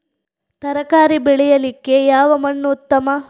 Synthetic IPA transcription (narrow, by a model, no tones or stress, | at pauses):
t̪ɐɾɐkaːɾibɛɭɛjɐlikːe̞jaːʋɐmɐɳːuut̪ːɐmɐ